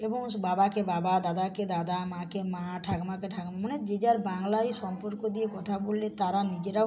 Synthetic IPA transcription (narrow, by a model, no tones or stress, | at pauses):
eboŋbabakebabad̪ad̪aked̪ad̪amãkemaʈʰaɡmakeʈʰaɡmamoned͡ʒed͡ʒaɾbaŋlajʃɔmpoɾkod̪iekɔt̪ʰabolːet̪aɾanid͡ʒeɾa